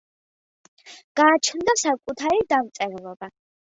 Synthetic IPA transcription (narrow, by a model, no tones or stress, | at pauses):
ɡ̥aːt͡ʃʰnd̪asakʼut̪ʰaɾid̪amt̪sʼɛɾɛlˠɔba